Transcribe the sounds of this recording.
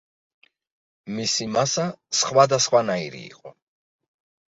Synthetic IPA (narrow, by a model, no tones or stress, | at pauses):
misimasasχwad̪asχwanaiɾḭːqʼɔ